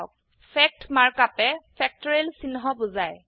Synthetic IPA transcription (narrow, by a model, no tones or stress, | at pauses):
k̚ | pʰɛk̚tmaɹkapɛpʰɛk̚tɔɹelsinɦɔbʊzaj